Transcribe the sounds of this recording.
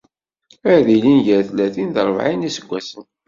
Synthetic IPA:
æɾðilinʝəɾθlːæθinðəɾˤvʕinisəɡʷːæsən

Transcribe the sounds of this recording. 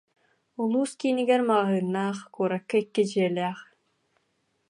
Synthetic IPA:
ulˠuːskiniɡɛɾmaʁaɦɯːnːaːχkuːɾakːaikːid͡ʑiɛlʲɛːχ

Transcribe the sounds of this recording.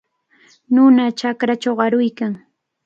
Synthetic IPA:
nʊnat͡ʃakɾat͡ʃawɢɑɾʊjkaŋ

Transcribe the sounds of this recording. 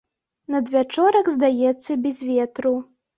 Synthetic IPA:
nɐd̪vʲat͡ʂɔɾɐɡzd̪ajɛt̪sːɐbʲɛzʲvʲɛt̪ɾu

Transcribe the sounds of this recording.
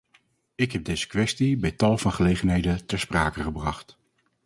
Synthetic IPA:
ɪkɦɛb̚dejz̥ə̥kʋɛstibɛjtɑlˠvɑnχəlejχənɦejdətɛɹspraːkəχəbrɑχt

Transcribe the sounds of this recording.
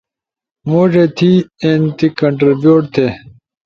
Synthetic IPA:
moːʐeːt̪ʰiːeːnt̪ikɐ̃ɳʈɾibjoːʈt̪ʰeː

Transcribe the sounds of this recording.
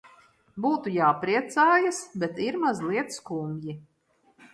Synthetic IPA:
buːt̪ujaːpɾiɛt̪saːjasbɛt̪iɾmazlˠiɛt̪skumʲji

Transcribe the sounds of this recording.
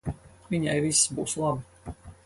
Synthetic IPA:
vʲiɲajvisːbuːslˠabɨ

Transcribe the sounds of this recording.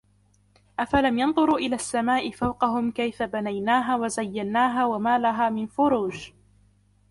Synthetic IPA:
ʔafalamjɑnðˤʊɾuːʔɪlaːsːamaːʔɪfawqɑɦʊmkajfabanajnaːɦaːwazajːanːaːɦaːwamaːlaɦaːmɪnfʊɾuːd͡ʒ

